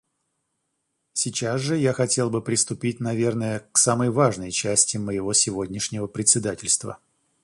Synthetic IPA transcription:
sʲɪt͡ɕas̬ʐɨjaxɐtʲe̞lˠbɨpɾʲɪst̪ʊpʲit̚ʲnɐvʲe̞rnəjəksaməjvaʐnəjt͡ɕæsʲtʲɪməjɪvo̞sʲɪvo̞dʲnʲɪʂnʲɪvəpɾʲɪt̪ʲsʲɪd̪atʲɪlʲst̪və̰

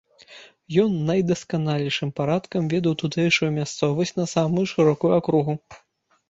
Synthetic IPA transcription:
jɔnːɐjd̪ɐskanalʲijʂɨmpaɾat̪kɐmvʲɛd̪ɐwt̪ut̪ɛjʂujumʲast̪sɔvɐsʲnɐsamujuʂɨɾɔkujuakɾuɣu

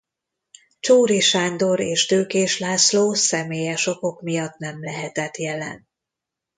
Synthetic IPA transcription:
t͡ʃoːɾiʃaːnd̪o̞ɾeːʃt̪øːkeːʃlaːsloːsɛmeːjɛʃo̞ko̞kmijɒt̪nɛmlɛɦɛt̪ɛt̪jɛlɛ̰n

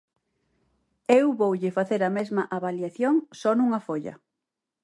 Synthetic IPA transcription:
ewβowʎɪfaθeɾɐmezmɐʔaβaljaθjoŋsɔnuŋɐfoʎɐ̰

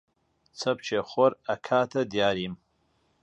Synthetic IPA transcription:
t͡sʰɐp̚ʰt͡ʃʰeχʷɔrakʰaːtʰadjaːɾim

